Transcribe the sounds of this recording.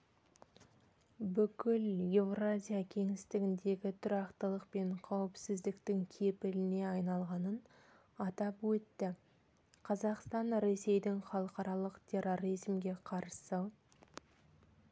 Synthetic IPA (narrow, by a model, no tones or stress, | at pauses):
bʏkʲɪle̞vrazʲijakʲʰe̞ŋɪst̪ɪɡʲɪnd̪e̞ɡʲɪt̪ʰʊɾɑqt̪əlˠəqpe̞ɴqʰɑwɪpsɪzd̪ɪkt̪ɪŋkʲʰe̞pɪlɪne̞ɑjnɑlˠʁɑnən | ɑt̪ɑpwɵt̪ːɪ | qʰɑzɑqst̪ɑnɾe̞se̞jd̪ɪŋχɑlˠəqɑɾɑlˠəqt̪ʲʰe̞ro̞ɾizmɡʲe̞qʰɑɾsə